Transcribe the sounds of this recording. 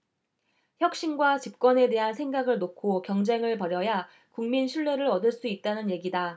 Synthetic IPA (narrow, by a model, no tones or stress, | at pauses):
çjʌk̚ɕ͈inɡwat͡ɕip̚k͈wʌne̞de̞ɦansʰe̞ŋɡaɡɯɭnokʰokjʌŋd͡ʑe̞ŋɯɭpʌɾjʌja | kuŋminɕʰiɭːe̞ɾɯɾʌdɯɭs͈uit̚t͈anɯnje̞ɡida